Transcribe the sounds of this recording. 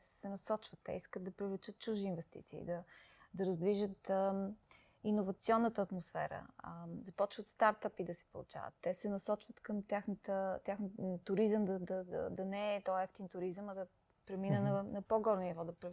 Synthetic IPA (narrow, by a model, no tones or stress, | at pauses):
sɛnɐsɔt͡ʃvət̪ːɛ̰iskəd̪̚d̪ɐpɾivlɛt͡ʃət̪̚t͡ʃuʒiːnvɛst̪ḭt̪sḭːd̪ɐd̪ɐɾɐzd̪viʒət̪ə | inovɐt̪siɔnːət̪əːt̪mosfɛ̰ɾə̰zɐpɔt͡ʃvət̪st̪aɾt̪apid̪ɐsi̥polˠṵt͡ʃa̰və̰t̪ːɛsɛnɐsɔt͡ʃvət̪kəmt̪ʲaxnət̪ət̪ʲjaxnət̪ʊɾizəmd̪ɐd̪ɐd̪ə̰d̪ɐnɛːt̪ɔjɛft̪int̪ʊɾizəmɐd̪ɐ | pɾɛminənɐnɐpoɡɔɾnonivɔd̪ɐpɾɛ